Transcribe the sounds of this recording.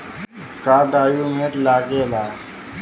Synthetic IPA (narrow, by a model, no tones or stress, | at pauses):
kaːʈaːjumeɾlaːɡelaː